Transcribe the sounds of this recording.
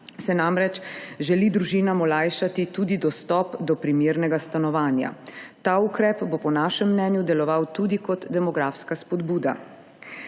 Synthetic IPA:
sɛnamɾɛt͡ʃʒɛlid̪ɾuʒiːnamɔlaːjʃat̪it̪uːd̪id̪ɔst̪ɔpd̪ɔpɾimiːɾnɛɡast̪anɔʋaːnja̰t̪aːukɾɛːpbɔpɔnaːʃɛmːnɛːnjud̪ɛlɔʋawt̪uːd̪ikɔt̪d̪ɛmɔɡɾaːfskaspɔd̪buːd̪a̰

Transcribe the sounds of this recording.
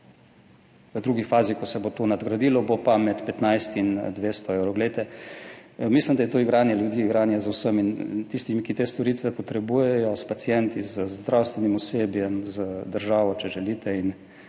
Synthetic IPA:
ʋəd̪ɾuɡifaːzikɔsɛbot̪onad̪ɡɾad̪iːlɔbopamɛt̪pɛt̪najst̪ind̪ʋeːst̪ɔɛwɾɔɡlet̪ɛ | mislimd̪ajɛt̪oːiɡɾaːnjɛljud̪iːiɡɾaːnjɛzawsəmint̪ist̪imikit̪eːst̪ɔɾiːt̪ʋɛpɔt̪ɾɛbuːjɛjɔspat̪sijɛnt̪izəzd̪ɾawst̪ʋɛnimɔseːbjɛmzəd̪əɾʒaːʋɔt͡ʃɛʒɛliːt̪ʰɛin

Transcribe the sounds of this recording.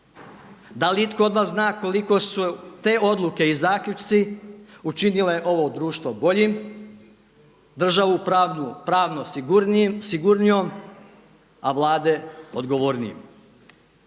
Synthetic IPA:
d̪aliit̪koo̞d̪ʋaːsznaːko̞liko̞sut̪e̞ːʔo̞d̪lˠuke̞izaːklʲut͡ʃt̪siut͡ʃinile̞ʔo̞ʋo̞ːd̪ɾuːʃt̪ʋo̞bo̞ʎim | d̪r̩ʒaʋupɾaːʋno | siɡuɾnijom | a̰ʋlˠaːd̪eo̞d̪ɡo̞ʋoːɾnḭḭm

